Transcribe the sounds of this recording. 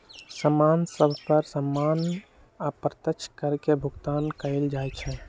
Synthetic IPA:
səmansəbʱpəɾsəmːan | apɾət̪ət͡ʃʰkəɾkebʱuɡt̪ankəld͡ʒajt͡ʃʰɛ

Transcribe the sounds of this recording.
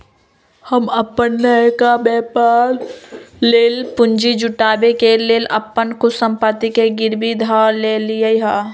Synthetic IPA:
həməpːənːəkabɛːpaːlː | eːlpʊ̃ɲd͡ʒid͡ʒʊʈaːbekeleːləpːənkusə̃mpət̪ikeɡɪɾbid̪ʱaːleːliəiɦaː

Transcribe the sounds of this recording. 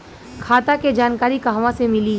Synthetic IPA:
kʰaːt̪aked͡ʒaːnkaːɾikaɦʋãsemɪliː

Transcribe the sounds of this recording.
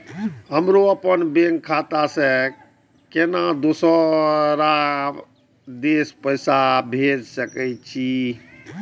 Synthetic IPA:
ɦəmɾoəpənbeŋkʰat̪ase | kenad̪osəɾa | d̪espəsabʱed͡ʒsəkɛt͡ʃʰi

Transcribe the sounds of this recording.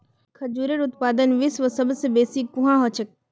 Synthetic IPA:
kʰɐd͡ʒuːɾəɾʊt̪paːd̪ənʋɪsʋəsɐbsebeːsikuɦãɦɔːt͡ʃʰɐk̚

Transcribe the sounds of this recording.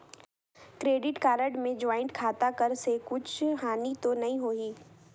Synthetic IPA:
kɾeːɖɪʈkaːɾəɖmẽd͡ʒaːɪɳʈkʰaːt̪akəɾsekʊt͡ʃʰɦaːnit̪onɐɦĩɦoːiː

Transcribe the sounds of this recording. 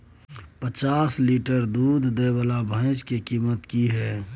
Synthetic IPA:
pət͡ʃaːsliːʈəɾd̪uːd̪ʱːebəlabʱə̃ɪ̃t͡ʃkekiːmət̪kiɦɛː

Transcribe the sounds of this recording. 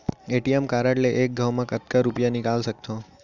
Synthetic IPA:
eʈiemkaɾaʈleʔek̚ɡʱəwmãkət̪kaɾupjanikalʃək̚t̪o

